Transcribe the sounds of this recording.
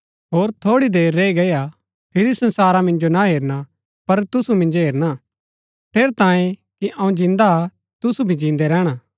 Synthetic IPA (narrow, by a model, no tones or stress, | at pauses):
ɦoːɾt̪ʰoːɽid̪eːɾːeiɡɐja | pʰɪɾisɐ̃nsaːɾamɪ̃nd͡ʒonaɦeːɾna | pɐɾt̪ʊsumɪ̃nd͡ʒoɦeːɾna | ʈʰeːɾt̪ãːjẽkiʔɐ̃ũd͡ʒɪ̃nd̪a | t̪ʊsubʱid͡ʒĩːnd̪ɛɾɛːɽ̃a